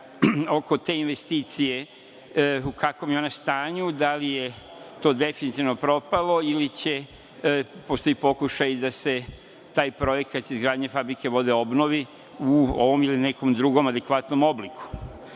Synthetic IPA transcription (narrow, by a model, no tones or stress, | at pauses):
o̞ko̞t̪e̞ːinʋest̪iːt̪sije | ukʰakʋomjeo̞nast̪aːɲud̪alije̞ | t̪o̞ːd̪e̞finit̪iʋno̞pɾo̞palo̞ilit͡ɕe̞ | post̪o̞ipo̞kuʃajd̪ase̞ | t̪aːjpɾo̞je̞kat̪izɡɾaːd̪ɲefabɾike̞ʋo̞d̪e̞o̞bno̞ʋi | uo̰ʋo̞milineko̞md̪ɾuɡo̞mad̪e̞kʋat̪no̞mo̞bliku̥